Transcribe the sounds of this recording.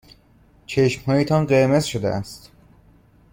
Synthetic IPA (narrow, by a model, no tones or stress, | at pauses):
t͡ʃʰe̞ʃmhɒːjet̪ʰɒnɢeɾmezʃod̪ḛʔæst̪